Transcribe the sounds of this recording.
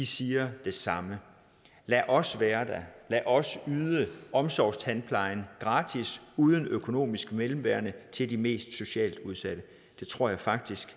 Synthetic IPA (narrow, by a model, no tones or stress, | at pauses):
isiːɐd̥e̝sɑ̈mə | læʔɒ̽sʋæːɐd̥ælæʔɒ̽syːðˠəʔɒ̽msɒʊ̰st͡sʰænpʰlɑ̈ɪnɡ̥ʁɑ̈ːd̥ʰisuːð̞ˠənøkʰo̝no̝̰ːmisɡ̥əmelm̩ʋæɐnət͡sʰe̝ld̥ime̝̰ːsd̥so̝ɕɛ̰ːld̥uð̞ˠsæɾ̥ə | d̥e̝t͡sʰʁo̝ɐ̰jɑ̈ɪfɑ̈ɡ̥̚d̥isɡ̥